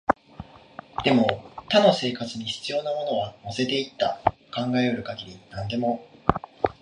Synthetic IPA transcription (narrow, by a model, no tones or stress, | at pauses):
d̪̥e̞mo̞t̪ano̞se̞ːkat͡sɨɲ̟içi̥t͡sɨjo̞ːnamo̞no̞β̞ano̞se̞t̪e̞it̪ːa̰kãŋɡaeoɾɯ̟kaɡʲiɾʲinãnd̪e̞mo̞